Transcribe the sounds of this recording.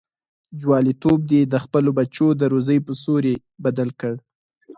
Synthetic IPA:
d͡ʒwɑlit̪ob̚d̪ed̪əxpəlobat͡ʃod̪əɾozəjpəsoɾe | bad̪alkəɽ

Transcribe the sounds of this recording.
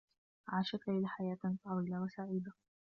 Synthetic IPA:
ʕaːʃakaʔɪlaːħajaːt̪t̪ˤɑwiːlawasaʕiːd̪a

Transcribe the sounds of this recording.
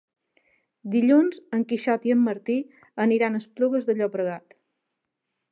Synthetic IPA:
d̪iʎunzəŋkiʃɔt̪iəmːəɾt̪i | əniɾanəspluɣəzðəʎɔpɾəɣat̪

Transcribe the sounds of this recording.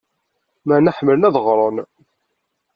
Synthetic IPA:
mænəħmːəlnæðəʁɾˤən

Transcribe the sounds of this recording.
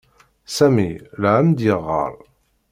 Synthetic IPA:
sæmilʕæmd̪jəʁːə̰ɾˤ

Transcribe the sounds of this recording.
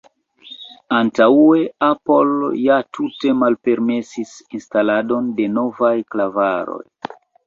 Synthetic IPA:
antaue̞apo̞ljatute̞malpe̞ɾme̞sisinstalado̞nde̞no̞vajklavaɾo̞̰j

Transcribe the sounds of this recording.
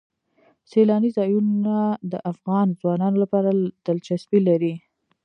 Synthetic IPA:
selɑnizɑjunad̪əʔafɣɑnzwɑnɑnolapɑɾad̪̥əlt͡ʃasbilaɾi

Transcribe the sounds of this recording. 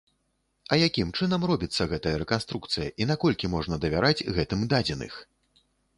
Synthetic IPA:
ɐjakʲimt͡ʂɨn̪ɐmrɔbʲit̪sːɐɣɛt̪ɐjɐɾɛkanst̪ɾukt̪sɨjɐʔinakɔlʲkʲimɔʐnɐd̪ɐvʲaɾad͡zʲɣɛt̪ɨmd̪ad͡zʲɛnɨ̰x

